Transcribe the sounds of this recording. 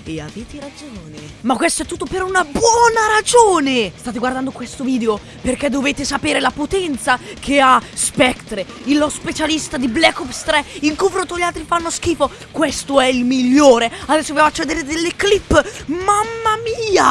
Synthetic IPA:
eaveːt̪iɾad͡ʒoːnemakːwest̪oɛt̪ːut̪ːopeɾunabwɔːnaɾad͡ʒoːnest̪aːt̪̬eɡward̪and̪okwest̪oviːd̪eo | perkɛd̪oveːt̪esapeːɾelapot̪ɛnt̪sakʰeaspɛkt̪ɾeilːospet͡ʃalist̪ad̪iblɛkopst̪ɾɛiŋkuvɾot̪oʎːalt̪ɾifanːoskiːfo | kwest̪oɛilmiʎːoːɾead̪ɛsːovevoat͡ʃːed̪eɾed̪elːeklipːmamːamiːa

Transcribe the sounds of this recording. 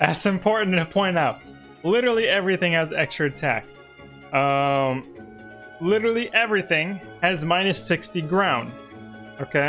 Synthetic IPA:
ðætsɨ̃mpʰɔɹʔn̩tʰɨpʰɔ̃ɪ̃ñaʊt̚ | lɪɾə˞l̩ˠiɛvɹiθɪ̃ŋɨzɛ̰kstɹ̥ɨɨtʰæ̰k | ʌ̃m | lɪɾə˞l̩ˠiʔɛvɹiθɪ̃ŋ | ɨzmãɪ̃nɨsɪkstiɡɹãʊ̃nd̥ | oʊkʰeɪ

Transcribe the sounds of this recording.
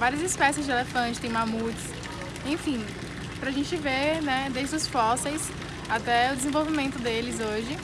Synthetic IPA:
vaɾiɐzispɛsiɪzd͡ʒɪelefɐ̃t͡ʃɪ̥t̪ẽj̃mamut͡ʃɪ̥s | ẽfĩ | pɾaʒẽnt͡ʃɪvenɛd̪eʒd̪ʊsfɔsejs | at̪ɛʊd̪ezẽvowvimẽnt̪ʊd̪elɪzoʒɪ

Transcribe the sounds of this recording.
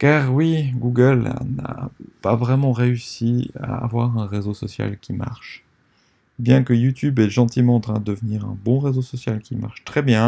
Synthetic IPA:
kaːʁwiɡuɡəl̰na̰pavʁɛmɑ̃ʁeysia̰ːvwaʁɛ̃ʁezosɔsja̰lkʲima̰ʁʃ | bjɛ̃kəjut̪ʰybɛʒɑ̃t̪imɑ̃ːt̪χɛ̃d̪əd̪əvniʁɛ̰̃bɔ̃ʁezosɔsjalkʲima̰ʁʃt̪χɛbjɛ̃

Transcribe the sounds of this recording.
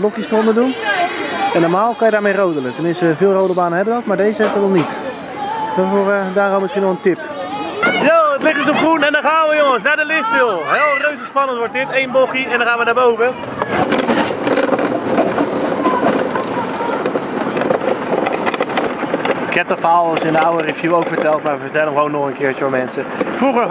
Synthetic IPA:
lɔkjəstromədun | ɛnːɔmaːlˠkɔnjədaːmejrowdələtərnmɪnsəvɪːlˠrowdəlˠbaːnənhɛbənokmadeːzəɛtəɔlˠnit | d̥ɔfordaːromɪskinɔxəntɪp | joːətlɪxəs̬opχrunɛndɔχaːnʋəjoŋənsnadəlɪftfɪlˠɦɛːlˠrøɥsəspanəntʋɔt̚dɪtejnbokiɛ̃ndɔnxaːnʋədaːbowvə | ɪkɛp̚təfaːlˠsɪndəawərəvjuwowkfəɹtɛlˠtmaːʋəfəɹtɛlˠənχʋownːɔχənkɪːɹtɔmɛnsəfruχəɹ

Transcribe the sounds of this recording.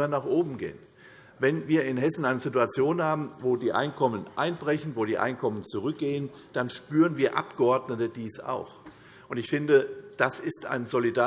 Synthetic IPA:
ɐnaːχʔoːbm̩ɡḛːən | vɛnviːɐɪnɦɛsn̩ʔaɪnəzɪtuat͡sjoːnhaːbm̩voːdiːʔa̰ɪnkʰɔmənʔa̰ɪnbʁɛçn̩voːɾiːʔa̰ɪnkʰɔmənt͡suʁʏk̚ɡ̥eːən | d̥anʃpyːʁənviːɐʔa̰pɡ̥əɔɐdnətəd̥iːsa̰ʊx | ʔʊntɪçfɪndəd̥asɪsta̰ɪnzolidaː

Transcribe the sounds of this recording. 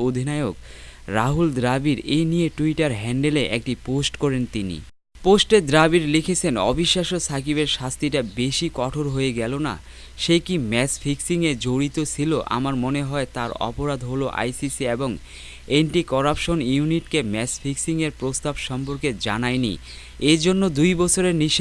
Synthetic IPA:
od̪ʱinaeokɾaɦuld̪ɾabiɾenijeʈuiʈaɾɦɛɳɖeleʔḛk̚ʈiposʈkɔɾent̪inḭ | posʈed̪ɾabiɾlekʰet͡ɕʰenɔ̰bʱiʃːaʃosʰak̬ibeɾʃast̪ʰiʈabeʃikɔʈʰoɾɦoeɡɛlona̰ | ʃekimɛsfʰiksiŋed͡ʑoɽit̪ot͡ɕʰiloʔa̰maɾmoneɦɔet̪aɾɔ̰poɾad̪ʱɦoloʔa̰jsisieboŋ | enʈikɔɾapʃonjuniʈkemɛsfʰiksiŋeɾpɾost̪abʃɔmpoɾked͡ʑa̰najnḭ | ed͡ʑonːod̪ujbɔt͡ɕʰoɾeniʃ

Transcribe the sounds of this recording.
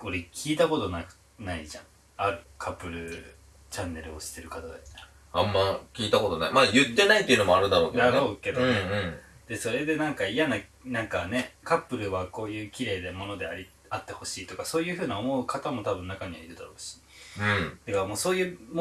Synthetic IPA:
o̞ɾekʲʰiːt̪ako̞t̪o̞na | naiʑã̰ŋ | aɾɯ̟kʰapːɯ̟ɾɯ̟ | t͡ɕãnːe̞ɾɯ̟o̞ɕi̥t̪e̞ɾɯ̟kat̪ad̪ana | ãmːakʲiːt̪ako̞t̪o̞na̰imajɯ̟t̪ːe̞nait̪ːeiɯnomoaɾɯ̟d̪aɾo̞ːned̪aɾoːke̞d̪oneɯ̃ɴd̪̥e̞so̞ɾe̞d̪e̞nãŋkaijana | nãŋkane̞kapːɯ̟ɾɯ̟βako̞ːjɯ̟ːkʲiɾe̞ːd̪e̞mo̞no̞d̪e̞aɾʲi | at̪ːe̞ho̞ɕiːt̪o̞kaso̞ːjɯ̟ːɸɯ̟ːnʲao̞mo̞ɯ̟kʰat̪amo̞t̪abɯ̟̃nːakaɲ̟iβaiɾɯ̟d̪aɾo̞ːɕi̥ | ɯ̟̃d̪̥akamo̞ːso̞ːjɯ̟ːmo

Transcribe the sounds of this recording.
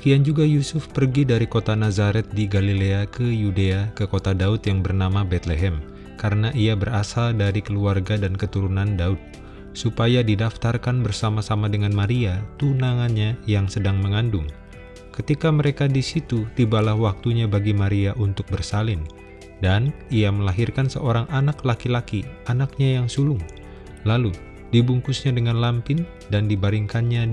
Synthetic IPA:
kiand͡ʒuɡajusʊfpərɡidaɾikot̪anazaɾɛt̪̚diɡalileakəjudeakəkot̪adaʊt̪jaŋbərnamabɛt̪leɦɛm | kaɾənaʔiabərasaldaɾikəluarɡadankət̪uɾunandaʊt̪̚ | supajadidaft̪arkanbərsamasamadəŋanmaɾiat̪unaŋanɲajaŋsədaŋməŋandʊŋ | kət̪ikaməɾekadisit̪ut̪ibalahwak̚t̪uɲabaɡimaɾiaʔunt̪ʊk̚bərsalɪn | daniaməlaɦirkansə̰ʔoɾaŋʔanaklakilakianak̚ɲajaŋsulʊŋ | lalu | dibuŋkusɲadəŋanlampɪn | dandibaɾiŋkanɲa

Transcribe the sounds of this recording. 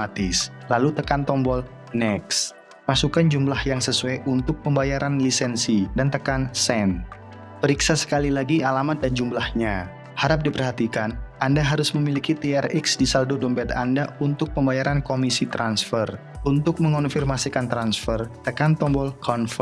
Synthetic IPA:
at̪ɪslalut̪əkant̪ɔmbɔl | nɛks | pasukand͡ʒumlahjaŋsəsuaʔunt̪ʊk̚pəmbajaɾanlisɛnsidant̪əkansɛn | pəɾiksasə̥kalilaɡialamat̪̚dand͡ʒumlahɲa | haɾap̚dipərhat̪ikanandaɦaɾʊsməmilikit̪iɛriksdisaldodɔmbɛt̪a̰ndaunt̪ʊk̚pəmbajaɾankomisit̪ɾansfər | unt̪ʊk̚məŋɔnfirmasikant̪ɾansfərt̪əkant̪ɔmbɔlkʰɔnf

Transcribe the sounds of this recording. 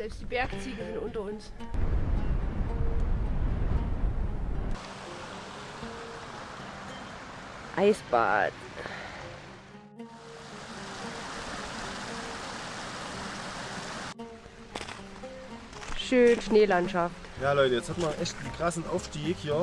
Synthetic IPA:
zɛlpstd̥iːbɛɐkt͡siːɡəzɪntʔʊntɐʊns | ʔaɪsb̥a̰ːd | ʃøːnʃneːlantʃaftjaːlɔʏtəjɛt͡shatmɐnʔɛçt̩ːkʁ̥asn̩ʔaʊfʃtiːkhiːɐ

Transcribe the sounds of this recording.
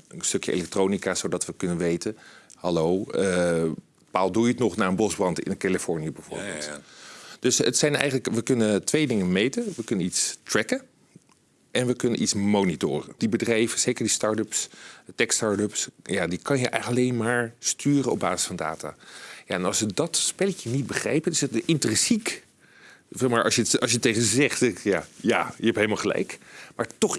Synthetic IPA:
ənstøkjəʔḛlɛk̚troːnikaːzowdɑtʋəkɵnənʋejtəhɑlowə | palˠdujətnɔχnaːənbɔzbrɑntɪ̰nkalifɔɹnijəbɛjv̥ʊ̰ːɹbḛlˠtd̥ɵsətsɛjnɛ̰jχənləkʋəkɵnətʋejdɪŋənmejtəʋəkɵnənitstrɛkə | ɛnʋəkɵnənʔitsmoːnitʊːrəd̥ibədrɛjvəz̥ejkəɹdistɑɹdəpstɛkstɑːɹdøpsjaːdikɑnjəʔɛ̰əlɑlejnmaːɹstyːrəɔba̰ːsɪ̥sfɑnda̰ːta̰ːja̰ɛnɑ̰lˠsʋədɑtspɛlcənit̚bəχrɛ̰jpənɪsətʔɪntrɛnsik | vɛmaːɹʔɑ̰sjətɑsʃjətːejχəzɛχtɛjaːja̰jəɦɛpɦejlˠmalˠχəlɛ̰jkmaːɹtɔχ

